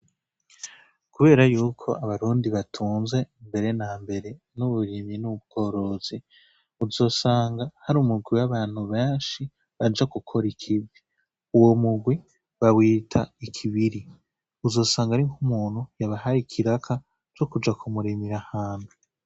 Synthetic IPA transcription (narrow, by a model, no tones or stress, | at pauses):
kuβe̞ːɾajuːkʰo̞ʔaβaɾuːndiβatʰuːnze̞imbe̞ɾe̞naːmbe̞ɾe̞ | nuβuɾiminuub̚ɡ̥o̞ːɾo̞z̥i | uzo̞ːsaːŋɡahaɾumuɡwiwaβaːn̥huβeːnʃi | βad͡ʒakukʰo̞ɾikʰibi | uwo̞muɡwi | βawiːtʰaikʰiβiɾi | uzo̞ːsaːŋɡaɾiŋhumuːn̥hujaβahaɾikʰiɾakʰa | t͡ʃo̞kud͡ʒakʰumuɾimiɾahaːnu